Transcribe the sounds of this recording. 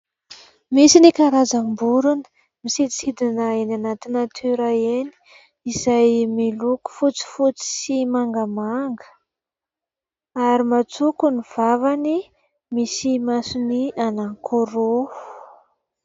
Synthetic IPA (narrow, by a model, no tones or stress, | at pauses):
misinikaɾazambuɾunə̥ | misid̪isid̪inəenanat̪inat̪ʰeɾaeni̥ | izajmiluku̥fut͡si̥fut͡si̥simaŋɡəmaŋɡə̥ | aɾimat͡sukuniv̥avani | misimasunianaŋkʰoɾofu̥